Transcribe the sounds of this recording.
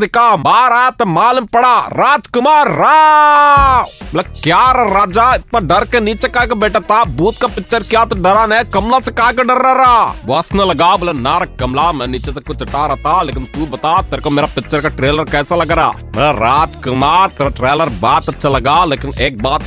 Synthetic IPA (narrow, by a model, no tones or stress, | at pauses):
ikaːbaːɾajat̪emaːlɐmpɐɽaːɾaːd͡ʒkʊmaːɾːa | bɐlɐkjaːɾɐɾaːd͡ʒaːɪt̪maɖɐɾkenit͡ʃɐkaːjkebeːʈat̪aːbuːt̪̚kapɪt͡ʃɐɾkjaːt̪uɖɐɾaːnekɐmlasɐkaːkeɖɐɾaːɾaːʋɐsnɐlɐɡaːbɐlɐnaːɾɐkɐmlaːmɐnit͡ʃet̪ɐkut͡ʃɐʈaːɾɐt̪aːleːkint̪uːbɐt̪aːt̪ɐɾkomeːɾapɪt͡ʃːɐɾkɐʈɾeːlɐɾkɛːsɐlɐɡaɾa̰ː | mɐ̰lɐɾaːd͡ʒkumaːɾt̪ɐɾɐʈɾeːlɐɾbaːt̪ɐt͡ʃʰɐlɐɡaːleːkineːk̚baːt̪